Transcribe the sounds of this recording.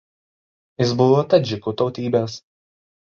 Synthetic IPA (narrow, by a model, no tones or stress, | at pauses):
jɪsbʊʋoːt̪ɐd͡ʒʲɪkuːt̪ɒʊt̪ʲiːbʲes